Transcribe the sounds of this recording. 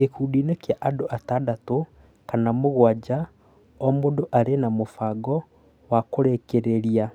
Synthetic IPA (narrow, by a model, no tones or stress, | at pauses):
ekudinekjaʔadoʔatadato | kanamoɣwad͡ʒa | ɔmodoʔaɾenamofaɡɔ | wakoɾekeɾeɾia